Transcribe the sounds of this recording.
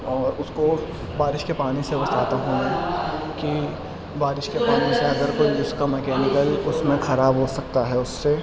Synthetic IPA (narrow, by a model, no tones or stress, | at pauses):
ɔːɾʊsko | baːɾɪʃkepaːnisebɐsaːt̪aɦũmɛ̃ki | baːɾɪʃkepaːniseɐɡ̪əɾkoːiʊskamɛkɛːnɪkəlʊsmẽxɐɾaːbɦosɐk̚t̪aɦɛʊsːe